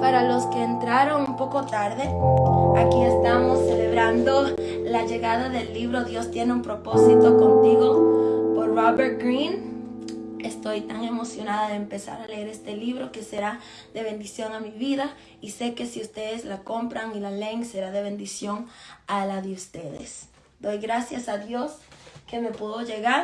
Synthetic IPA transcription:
paɾalo̞ske̞ːnt̪ɾaɾo̞ŋumpo̞ko̞t̪aɾðe̞akie̞st̪amosːe̞le̞βɾand̪o̞ | laʝe̞ɣaðaðe̞lːiβɾo̞ðjo̞st̪je̞neumpɾo̞po̞sit̪o̞ko̞nt̪iɣo̞poɾroβeɾt̪̚ɡɾĩn | e̞st̪o̞jt̪aŋe̞mo̞sjo̞naðaðeːmpe̞sa̰ɾaleeɾe̞st̪e̞liβɾo̞ke̞se̞ɾa | ðe̞βe̞nd̪isjo̞ŋamiβiða | ise̞ke̞siust̪e̞ðe̞slako̞mpɾaŋilale̞ŋse̞ɾaðe̞β̞e̞nd̪isjo̞ŋalaðeust̪e̞ðḛs | d̪o̞jɣɾasjasaðjo̞ske̞me̞pwuðo̞ʝe̞ɣaɾ

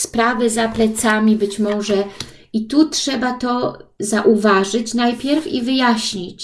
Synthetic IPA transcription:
spɾavɘzaplɛt̪samʲibɘt͡ɕmɔʐɛ | it̪utʂɛbat̪ɔzaʔuvaʐɘt͡ɕnajpʲjɛɾfivɘjaɕɲit͡ɕ

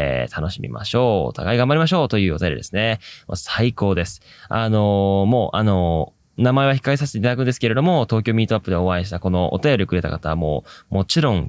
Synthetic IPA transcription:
t̪ʰano̞ɕimʲḭmʔa̰ɕo̞ːo̰t̪ʰa̰ɡaiɡambaɾʲimaɕ̬o̞ːt̪o̞jɯ̟ːo̞t̪ajo̞ɾḭd̪esɨ̥ne̞ma̰saiko̞ːd̪e̞sɨ̥ano̞mo̞ːʔano̞ | namae̞βaçi̥kːaesaɕi̥t̪et̪enakɯ̟̃nd̪esɨ̥ke̞ɾe̞d̪o̞mo̞t̪o̞ːkʲo̞ːmʲiːt̪ːo̞apːɯ̟d̪eoβaiɕi̥t̪ako̞no̞ʔo̰t̪ajo̞ɾʲikɯ̟ɾe̞t̪a̰kat̪aβamo̞̰ːmo̞t͡ɕiɾõ̞ŋ

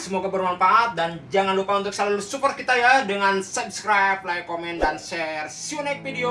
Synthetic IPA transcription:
səmoɡabərmanfaʔːt̪̚dand͡ʒaŋanlukaunt̪ʊksalalusupɔrt̪̚kit̪ajadəŋansub̚skɾap̚lajkomɛndanʃɛrsionɛk̚fideo

